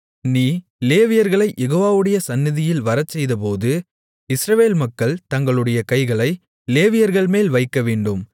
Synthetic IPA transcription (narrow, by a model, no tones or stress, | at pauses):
niː | leːʋɪjɐɾɣɐɭɐɪʔɛɣoːʋaːʋɯɽɐjɐsɐnːɪðɪjɪlʋɐɾɐt͡ʃːɛjðɐp̬oːðɯ | ɪsɾɐʋeːlmɐkːɐɭt̪ɐŋɡɐɭɯɽɐjɐkɐɪɣɐɭɐɪ | leːʋɪjɐɾɣɐɭmeːlʋɐɪkːɐʋeːɳɖɯm